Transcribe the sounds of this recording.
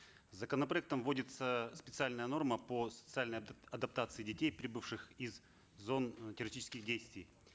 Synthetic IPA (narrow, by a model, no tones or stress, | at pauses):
zəkənəpɾɐɛk̚t̪əmvodʲɪt̪səspʲɪt̪sɨalʲnəjəno̞rməpəsə̥t̪sɨalʲnəjɐd̪ɐp̚t̪at̪sɨɪdʲɪtʲejpɾʲɪbɨfʂɨxɪzː | o̞ntʲɪɾʲɪsʲtʲit͡ɕɪskʲɪxdʲejst̪vʲɪj